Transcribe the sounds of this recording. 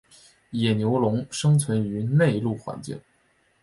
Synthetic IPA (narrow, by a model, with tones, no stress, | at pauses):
jɛ˨˩njo˧˥ʊlʊ˧˥ŋʂɤ˥ŋt͡sʰwə˧˥ny˧˥ne˥˧ɪlu˥˩xwa̰˧˥nt͡ɕḭ˥˩ŋ